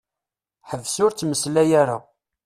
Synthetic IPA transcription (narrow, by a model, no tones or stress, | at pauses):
ħəvsʊɾt͡sːməslæjaɾa̰